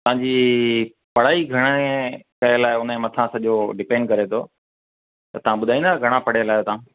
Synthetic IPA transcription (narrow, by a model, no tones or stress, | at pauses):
t̪ɐʋ̤ãɲd͡ʑiː | pɐɽ̤aːiɡʱɐɽ̃ekɐelaːɪʊnemɐt̪ʰãsɐʄoɖɪpẽːɳɖkɐɾet̪ʰoː | t̪ɐt̪ɐʋ̤ãɓʊd̪ʱaːĩnd̪aːɡʱɐɽ̃apɐɽ̤elaːɪot̪ɐã